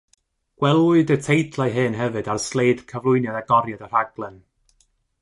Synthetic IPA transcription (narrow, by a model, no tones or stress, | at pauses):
ɡ̥wɛlˠʊɨdətʰejdʰlˠaɨɦɨnɦɛvɨdarslˠejd̥kʰəvlˠʊɨnjadaɡɔɾjadər̥aɡlˠɛn